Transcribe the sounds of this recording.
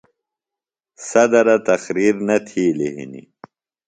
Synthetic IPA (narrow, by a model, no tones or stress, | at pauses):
sɐd̪ɐɾɐt̪ɐxɾiɾnɐt̪ʰileɦḭnḭ